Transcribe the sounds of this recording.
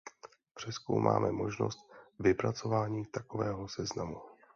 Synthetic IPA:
pr̝̥ɛsko̰wmʔa̰ːmʔɛmo̞ʒno̞̰st̪̚vɪpɾat͡so̞vaːɲiːt̪ako̞vɛːɦo̞sɛznamu

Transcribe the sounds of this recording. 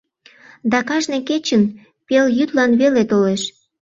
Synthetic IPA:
d̪ɑkɑʒneket͡ɕən | peljyt̪lɑnβelet̪oleʃ

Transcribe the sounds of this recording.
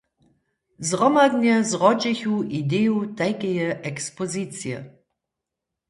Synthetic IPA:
zʁɔmadnɛzʁɔd͡ʑɪçuʔideutɛjkɛjəʔɛkspɔzit͡sjə̰

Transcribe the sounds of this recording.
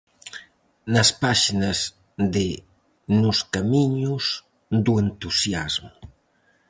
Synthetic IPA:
naspaʃinaz | d̪e | nuskamiɲuz | d̪uent̪usjazmu

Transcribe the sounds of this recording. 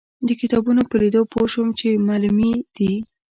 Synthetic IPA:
d̪əkɪt̪ɑbunopəlid̪opʰoʃwəmt͡ʃemɑlumid̪̥i

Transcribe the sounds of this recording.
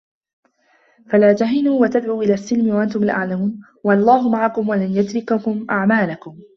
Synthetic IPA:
falaːt̪aɦɪnuːwat̪ad̪ʕuːʔɪlaːsːɪlmɪwaʔant̪ʊmalʔa̰ʕlamuːn | walˤːɑːɦʊmaʕakʊmwalanjʊd̪ɾɪkakʊmʔaʕmaːlakʊm

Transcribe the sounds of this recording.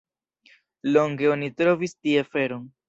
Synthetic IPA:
lo̞ŋɡeonitɾo̞vistiefe̞ɾon

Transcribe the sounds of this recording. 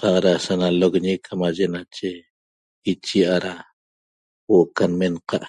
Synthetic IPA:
qɑqɾasanalokɲekʰamaʒenat͡ʃe | it͡ʃiʔaɾa | woʔkanmenqɑʔ

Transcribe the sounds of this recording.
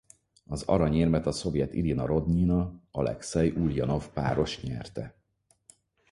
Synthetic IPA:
ɒzɒ̰ɾɒɲeːrmɛt̪ɒso̞vjɛt̪ḭlinɒɾo̞d̪ɲiːnɒɒlɛ̰ksɛjʔuljɒno̞fpa̰ːɾo̞ʃɲɛ̰rt̪ɛ

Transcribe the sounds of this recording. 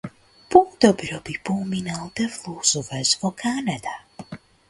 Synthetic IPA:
puːd̪ɔbɾɔbipɔminalˠd̪ɛvluːsuvɛzvɔkʰanad̪a

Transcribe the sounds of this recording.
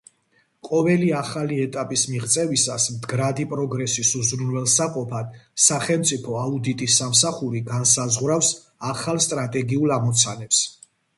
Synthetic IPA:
qʼɔvɛliaχaliɛt̪ʼapʼismiʁt̪sʼɛvisasmd̪ɡɾad̪ipʼɾɔɡɾɛsisuzɾunvɛlˠsaqʼɔpʰad̪̥saχɛlmt̪sʼipʰɔaud̪it̪ʼisamsaχuɾiɡansazʁwɾafs | aχalˠst̪ʼɾat̪ʼɛɡiulˠamɔt̪sʰanɛps

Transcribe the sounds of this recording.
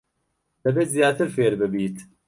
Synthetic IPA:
d̪̥ɛbeːt̪zijaːt̪ɨɾfeːɾbɨbiːt̪

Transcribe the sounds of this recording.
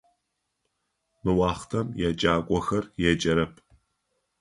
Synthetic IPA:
mɨwɑːχtʰɐmjɛt͡ʃʼaːkʷʼɔxɐrjɛt͡ʃʼɐɾɐpʰ

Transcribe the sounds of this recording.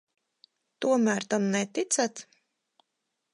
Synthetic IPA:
t̪uɔmæːɾt̪amnɛt̪it̪sæt̪

